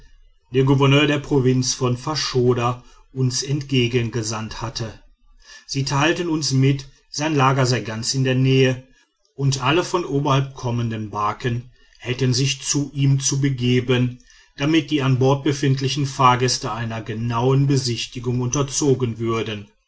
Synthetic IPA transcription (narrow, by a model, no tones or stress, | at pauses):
d̥eːɐɡuvɛɐnøːɐdeːɐpʁ̥ovɪnt͡sfɔnfaʃoːda | ʔʊnsɛntɡ̥eːɡənɡəzanthatʰə | z̥iːtʰaɪltənʊnsmɪt | z̥aɪnlaːɡɐzaɪɡant͡sɪndeːɐnɛːə | ʔʊntʔaləfɔnʔoːbɐhalp̚kʰɔməndənbaɐkən | hɛltənzɪçt͡suʔiːmt͡subəɡeːbən | d̥amɪt̚d̥iːanbɔɐt̚b̥əfɪntlɪçn̩faːɐɡɛstəʔaɪnɐɡənaʊənbəzɪçtɪɡʊŋʊntɐt͡soːɡənvʏɐdən